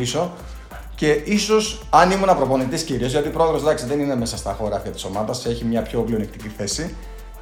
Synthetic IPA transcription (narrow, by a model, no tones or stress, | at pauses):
iso̞ | ce̞ʔiso̞sɐnimunɐpɾo̞po̞nit̪isciɾio̞zʝɐt̪ipɾo̞eðɾo̞zðɐksiðe̞nine̞me̞sɐst̪ɐxo̞ɾɐːft̪it̪i̥so̞mɐðɐse̞çimɲɐpço̞plio̞nikt̪iciθe̞si